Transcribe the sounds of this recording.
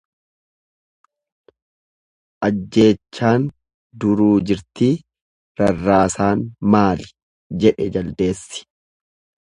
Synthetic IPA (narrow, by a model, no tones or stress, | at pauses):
ʔɐd͡ʒːe̞ːt͡ʃːaːn | d̪ʊɾuːd͡ʒɪɾt̪iː | ɾɐrːaːsaːnmaːlɪ̥ | d͡ʒɛᶑɛd͡ʒɐld̪e̞ːsːɪ̥